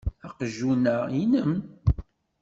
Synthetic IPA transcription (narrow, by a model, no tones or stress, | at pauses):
aqʒunəinəm